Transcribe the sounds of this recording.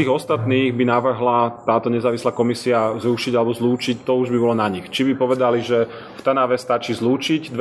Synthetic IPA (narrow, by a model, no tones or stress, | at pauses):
iːɣɔst̪at̪niːɣbinaʋr̩ɦlat̪aːt̪ɔɲɛzaːʋislaːkɔmisiazɾuʃiɟalɛbɔzluːt͡ʃict̪ɔuʒbibɔlɔnaɲixt͡ʃibipɔʋɛd̪aliʒɛ | ft̪anaʋɛst̪at͡ʃiːzluːt͡ʃicd̪ʋ